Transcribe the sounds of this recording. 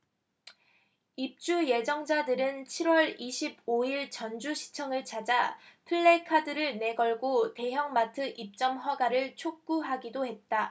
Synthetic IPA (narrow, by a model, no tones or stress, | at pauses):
ip̚t͡ɕ͈uje̞d͡ʑʌŋd͡ʑadɯɾɯnt͡ɕʰiɾwʌɾiɕʰib̚oiɭt͡ɕʌnd͡ʑuɕʰi̥t͡ɕʰʌŋɯɭt͡ɕʰad͡ʑapʰɯɭːe̞kʰadɯɾɯɭne̞ɡʌɭɡote̞ɦjʌŋmatʰɯʔip̚t͡ɕ͈ʌmɦwaɡaɾɯɭt͡ɕʰok̚k͈uɦaɡidohe̞t̚t͈a